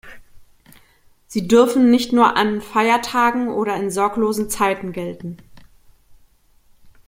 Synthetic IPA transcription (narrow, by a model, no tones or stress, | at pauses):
z̥iːdʏɐfn̩nɪçtnuːɐʔanfaɪɐtʰaːɡŋ̩ʔoːɾɐɪnzɔɐkloːzn̩t͡saɪtn̩ɡɛltn̩